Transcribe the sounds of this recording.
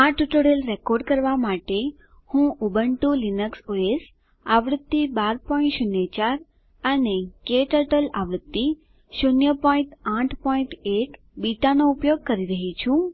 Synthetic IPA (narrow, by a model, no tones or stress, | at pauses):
aʈuʈoɽəlɾekoɾɖkəɾʋamaʈe | hũʔubəɳʈũlinəksoes | aʋɾət̪ːibaɾpɔ̃ĩɳʈʃunjet͡ʃaɾ | ənekeʈəʈəla̰ʋɾət̪ːi | ʃunjəpɔĩɳʈãʈʰpɔĩɳʈek | biʈanoupjoɡ̚kəɾiɾəɦit͡ʃʰũ